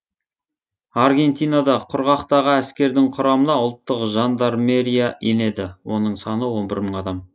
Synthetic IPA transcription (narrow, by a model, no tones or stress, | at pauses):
ɑɾɡʲe̞nt̪ijnɑd̪ɑqʰʊɾʁɑqt̪ɑʁəæskʲe̞ɾd̪ɪŋqʰʊɾɑmənɑʊlˠt̪ːəqʒɑnd̪ɑɾme̞ɾijaene̞d̪ɪwo̞nəɴsɑnəwo̞nbɪɾməɴɑd̪ɑm